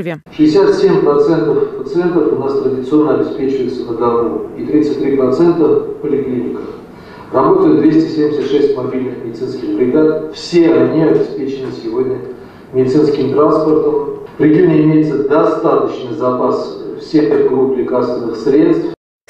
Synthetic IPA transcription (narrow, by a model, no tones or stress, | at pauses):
ʂɨɪsʲat̪sʲemʲpɾɐt̪sɛnt̪əfpət̪sɨɛnt̪əfʊnast̪ɾədʲɪt̪sɨo̞nːəɐbʲɪspʲet͡ɕɪvəjɪt̪sənəd̪ɐnuit̪ɾʲit̪sɨtʲt̪ʲːɾʲipɾɐt̪sɛnt̪əpəlʲɪklʲinʲɪkə | rɐbo̞t̪əjʊt̪̚d̪vʲesʲtʲɪsʲemʲdʲɪsʲət̪ʂɛsʲtʲmɐbʲilʲnɨxmʲdʲɪt̪sɨnskʲɪxbɾʲɪɡ̪at̪fsʲe̞ɐnʲiɐbʲɪspʲet͡ɕɪnɨsʲɪvodʲnʲə | mʲɪdʲɪt̪sɨnskʲɪmt̪ɾanspərt̪əm | pɾʲɪɡʲinəɪmʲejɪt̪səd̪ɐst̪at̪ət͡ɕnɨjzɐpasfsʲexɡɾupʲlʲɪkast̪vʲɪnːɨxsɾʲe̞t̪st̪f